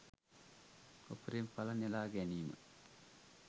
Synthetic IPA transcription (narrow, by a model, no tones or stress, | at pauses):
opəɾempɐlɐnelaːɡɛniːmə̰